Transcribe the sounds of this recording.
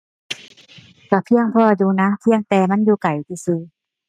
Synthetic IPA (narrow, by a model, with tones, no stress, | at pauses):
ka˧˩pʰi˧˥˨əŋpʰɔː˧juː˧na˧˥pʰi˧˥˧əŋt̪ɛː˧ma˧˥˨njuː˧ka˨˩jt̪ʰiː˧˩sɯː˧˦